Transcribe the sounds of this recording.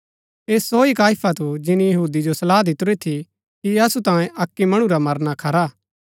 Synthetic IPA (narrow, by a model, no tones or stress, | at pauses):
eːsːoːikaːɪpʰat̪ud͡ʒɪnijɐɦuːd̪id͡ʒosɐlaːd̪ɪt̪ʊɾet̪ʰi | kiɐsut̪ãːẽʔɐkːimɐɽ̃ũɾamɐɾnakʰɐɾaː